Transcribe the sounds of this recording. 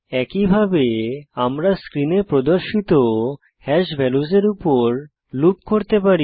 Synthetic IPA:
ɛkibʱabeamɾaskɾinepɾod̪oɾʃit̪o | hɛʃbʱɛlud͡ʑeɾupoɾ | lupkoɾt̪epaɾi

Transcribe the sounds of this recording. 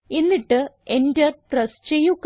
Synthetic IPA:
enːiʈːɨendɐʈrɐst͡ɕejːukː

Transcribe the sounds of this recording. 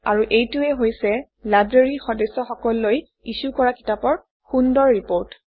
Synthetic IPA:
a̰ɹuʔejtuɛɦojsɛ | lajbɹeɹixɔdɛsɔxɔkɔlːoj | isukɔɹaki̥tapɔɹ | xundɔɹːipoɹt

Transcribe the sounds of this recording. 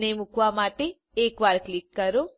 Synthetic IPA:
neːmukʋaːmaːʈe | eːkʋaːɾklikːɐɾu

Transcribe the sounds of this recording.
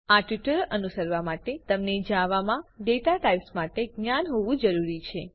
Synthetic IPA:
aʈʋiʈəɾənusəɾʋamaʈet̪əmned͡ʒaʋamãɖeʈaʈajʋsmaʈeɡnjanɦoʋũd͡ʒəɾuɾit͡ʃʰe

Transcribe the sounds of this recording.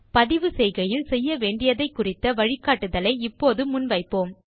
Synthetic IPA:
pɐðɪʋɯsɛɪɣɐjɪlsɛjːɐʋeːɳɖɪjɐðɐɪkːʊrɪt̪ːɐʋɐɻɪkːaːʈːɯðɐlɐɪɪpːoːðɯmʊnʋɐɪpːoːm

